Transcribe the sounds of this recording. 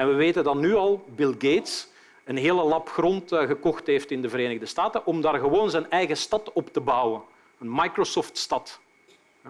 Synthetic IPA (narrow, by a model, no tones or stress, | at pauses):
ɛnʋəʋeːtəndɑtnyɑlˠbɪlˠɡeːts | ənɦeːləlɑpxrɔntɣəkɔxtɦeːftɪndəvəɾeːnəɣdəstaːtənʔɔmdaːrɣəʋoːnzɛnɛjɣəstɑtɔptəbʌwən | ənmɑjkrosɔftstɑt